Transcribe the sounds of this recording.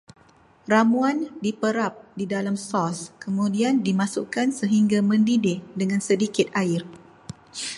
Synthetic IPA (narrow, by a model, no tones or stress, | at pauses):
ramuandipəɾap̚didalamsɔskəmũdiandimasṵkansəɦiŋɡamə̃ndidɪhdəŋãnsədikɪt̪̚aɪr